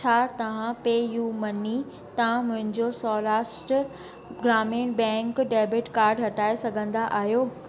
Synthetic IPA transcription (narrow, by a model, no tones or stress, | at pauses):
t͡ɕʰaːt̪ɐʋ̤ãpeːjuːmɐni | t̪ɐʋ̤ãmʊ̃ɦɪ̃ɲd͡ʑosɔːɾaːsʈ | ɡɾaːmiːnbɛ̃ːŋkɖeːbɪʈkaːɾɖɦɐʈaːesɐɡʱə̃nd̪aʔaːɦijoː